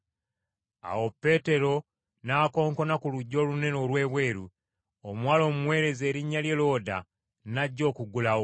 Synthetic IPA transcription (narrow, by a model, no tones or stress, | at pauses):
a̰wo̞pːe̞te̞ɾo̞ | naːko̞ːŋko̞nakuluɟːo̞ːlune̞no̞lwe̞ːβwe̞ːɾu | omwaːlo̞ːmumwe̞ːɾe̞ze̞ːɾiɲːalje̞lo̞ːda̰ | naɟːo̞ːkuɡulao